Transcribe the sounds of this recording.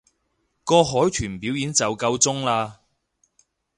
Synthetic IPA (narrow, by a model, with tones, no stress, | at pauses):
kɔː˧ɦɔː˨˥jt̪ʰyː˨˩npiː˨˥wjiː˨˥nt͡sɐ˨wkɐ˧wt͡sʊ˥ŋlaː˧